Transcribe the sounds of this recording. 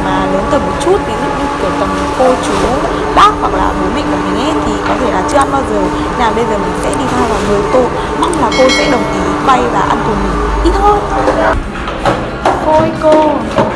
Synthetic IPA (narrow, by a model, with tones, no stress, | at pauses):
maː˨˩ləː˨˦nt̪əː˨˩mo˨˩t̚t͡ɕu˦˥t̚vi˨˦lɨ̰˧˨˩k̚mï˨˧˩ŋku˧˩ə˩fə˨˩m˨˩ko˧t͡ɕu˨˦ | ɓaː˦˥k̚wa˨˩k̚la̰ː˨˩ɓɨ˨˦jmï˧˩kʊ̰˧˦ŋ͡mmï˨˩ŋ̟ʔe˨˦t̪ʰi˨˩kɔ˨˦t̪ʰe˧˩laː˨˩t͡ɕɨ˧əʔa˧nɓaː˧wzəː˨˩ | naː˨˩wɓə˧jzəː˨˩jmï˨˩ŋ̟sɛ̰˧˥ɗi˧t̪ʰaː˧wvaː˨˩wŋɨ˨˩əjt̪o̰˧˨j | ma˦˥t̚laː˨˩ko˧sɛ̰˧˥ɗə˨˩wŋ͡mʔi˨˦kwa˧jvaː˨˩ʔa˧nku˧˩mï˨ŋʔi˦˥t̚hʰo˨˧˦jt̪ː | ko˧ə˧jko˧˨˧